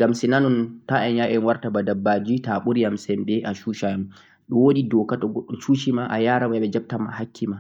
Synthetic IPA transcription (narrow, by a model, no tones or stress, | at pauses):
ɡamsinanɔntaʔɛnjaʔɛnwaɾtabadabːad͡ʒitaɓuɾijamsɛmbɛʔaʃuʃajam | ɗɔwoɗidɔkatɔɡɔɗːɔt͡ʃuʃimaʔajaːɾaɛɓɛd͡ʒab̚tama̰hakːima